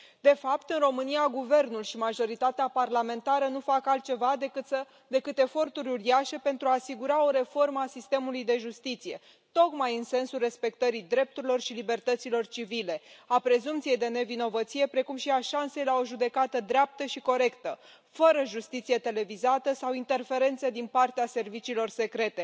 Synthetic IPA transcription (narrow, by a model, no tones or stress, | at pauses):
d̪e̞fapt̪ɨnro̞mɨnijaɡuve̞rnulʃimaʒo̞ɾit̪at̪eaparlame̞nt̪aɾənufakalt̪̚t͡ʃe̞va | d̪e̞kɨt̪e̞fo̞rt̪uɾʲuɾiaʃe̞pent̪ɾuaːsiɡuɾao̞ɾe̞fo̞rməasist̪e̞mulujd̪e̞ʒust̪it̪sije̞ | t̪o̞kmajɨnse̞nsulre̞spe̞kt̪əɾid̪ɾe̞p̚t̪uɾilo̞rʃilibe̞rt̪ət̪silo̞rt͡ʃivile̞apɾe̞zumpt̪sijejd̪e̞ne̞vino̞vət̪sije̞pɾe̞kumʃiaʃanse̞jlao̞ʒud̪e̞kat̪əd̪ɾeap̚t̪əʃiko̞ɾe̞kt̪ə | fəɾəʒust̪it̪sije̞t̪e̞le̞vizat̪əsawint̪e̞rfe̞ɾe̞nt̪sed̪inpart̪ease̞rvit͡ʃiːlo̞rse̞kɾe̞t̪e̞